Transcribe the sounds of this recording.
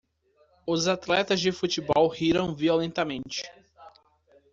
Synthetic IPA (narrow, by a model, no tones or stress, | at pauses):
ʊzat̪lɛt̪ɐzd͡ʒɪfut͡ʃɪbɔwhiɾɐ̃w̃violẽnt̪ɐmẽnt͡ʃɪ̥